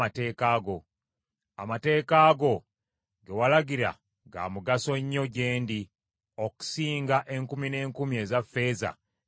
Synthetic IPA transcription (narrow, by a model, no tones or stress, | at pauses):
ate̞ːkaːɡo̞ | a̰mate̞ːkaːɡo̞ | ɡe̞walaɡiɾa̰ | ɡa̰ːmuɡaso̞ɲːoɟe̞ːndi | o̞ku̥siːŋɡaʔe̞ŋkumine̞ːŋkumie̞zafːe̞ːza̰